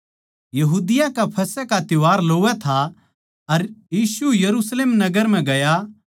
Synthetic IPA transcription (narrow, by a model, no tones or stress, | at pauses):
jɐɦuːd̪ɪjãkapʰɐsɛkat̪ɪʋaːɾloːʋɛt̪ʰa | ɐɾjiːsujɐɾusleːmnɐɡəɾm̤ɛ̃ɡɐja